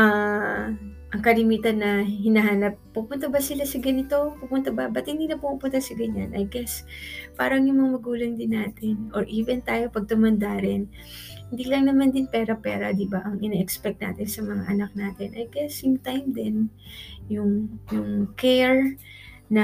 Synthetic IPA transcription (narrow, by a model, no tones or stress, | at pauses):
a | ʔɐŋkɐlɪmiːt̪ɐnːɐɦɪnɐhanɐp̚ːupʊnt̪ɐbɐsɪlasɐɡɐnɪt̪o̞pupʊnt̪ɐbɐbɐt̪hɪnd̪iːnɐpokʊpʊnt̪ɐsɐɡɐɲa̰nʔɐjɡɛspaːɾɐŋjʊŋmɐŋamɐɡuːlɐŋd̪ɪnːaːt̪ɪnʔoɹʔiːvɛnt̪aːjo̞pɐɡ̚t̪ʊmɐnd̪aɾɪn | hɪnd̪iːlɐŋnɐmand̪ɪnpɛːɾɐpɛːɾɐ̰d̪ɪbaʔɐŋʔɪnɛʔɛkspɛk̚t̪na̰ːt̪ɪnsɐmɐŋa̰ʔɐnak̚naːt̪ɪnʔɐjɡɛsɪmt̪ajmd̪ɛnjʊŋjʊŋkɛɹ | nɐ